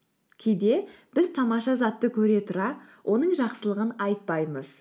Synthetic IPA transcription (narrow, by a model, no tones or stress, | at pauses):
kʲʰejd̪e̞ | b̥ɪzt̪ʰɑmɑʃɑzɑt̪ːəkʲʰɵɾe̞t̪ʰʊɾɑ | wʔo̞nəɴʒɑqsəlˠəʁənɑjt̪̚pɑjməz̥